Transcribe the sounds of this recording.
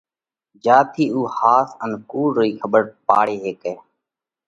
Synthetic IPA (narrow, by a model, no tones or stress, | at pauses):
d͡ʒaːt̪ʰiːuːhaːsənkuːɽoiːkʰəɓəɾpa̰ːɽeːɦeːkeː